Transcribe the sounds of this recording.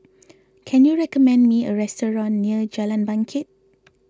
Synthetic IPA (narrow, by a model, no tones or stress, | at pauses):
kʰɛ̃njuɹɛkɔmɛ̃ndmiəɹɛstəɹɔ̃nːiəd͡ʒalãnbãŋkʰɪt̚